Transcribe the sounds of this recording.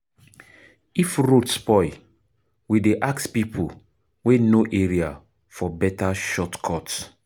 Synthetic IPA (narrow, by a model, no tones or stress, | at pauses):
ifɹotspɔɪ | wideʔakspipʰo | wenoʔeɹia | fɔbɛtaʃɔtkʰɔt